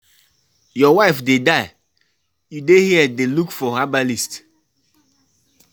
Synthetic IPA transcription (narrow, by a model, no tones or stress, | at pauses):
jɔwaɪfdedaɪ | judehiɛdelukfɔhabalist